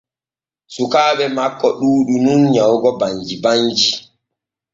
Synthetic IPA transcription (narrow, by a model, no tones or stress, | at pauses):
sukaːɓɛmakːɔɗuːɗununɲawɡɔbaɲd͡ʒiband͡ʒi